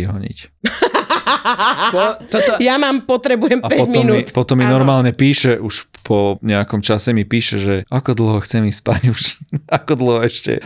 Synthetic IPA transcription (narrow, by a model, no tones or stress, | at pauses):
iɦɔɲḭc | ɔt̪jamaːmpɔt̪ɾɛbujɛmapɛɔmɔimnuitpɔt̪ɔmːinɔɾmaːlɲɛpiːʃɛʔuʃpʰɔɲɛakɔmt͡ʃasɛmipiːʃɛʒɛakɔd̪l̩ɦɔxt͡sɛmispaɟut͡ʃi̥nakɔd̪l̩ˠɦɔɛʃcɛ̰